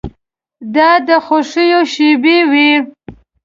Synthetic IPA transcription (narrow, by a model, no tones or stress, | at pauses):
d̪ɑd̪əxoʂijoʃibewi